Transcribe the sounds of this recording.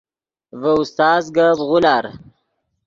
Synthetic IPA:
vəust̪ɑːzɡabʁulɑːɾ

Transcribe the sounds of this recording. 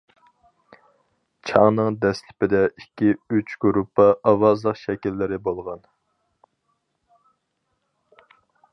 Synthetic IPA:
t͡ʃʰɑŋnɨŋd̪ɛslɪpɪd̪ɛikʲːiyt͡ʃɡ̥uɾupʰːɑʔɑwɑzlˠəqʃɛkʲilːɪɾɪbolˠʁɑn

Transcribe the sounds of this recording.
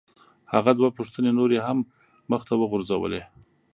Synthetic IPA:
ha̰ɣad̪wapuʂt̪ənenoɾeɦamː | əxt̪awəɣʊɾzawə̰le

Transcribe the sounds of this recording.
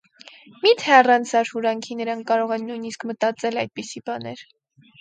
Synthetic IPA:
mit̪ʰɛɑrɑnt͡sʰɑɾhuɾɑŋkʰinəɾɑŋkʰkːɑɾɔʁɛnːujniskmət̪ɑt͡sɛlɑjd̪̚pisibɑnɛɾ

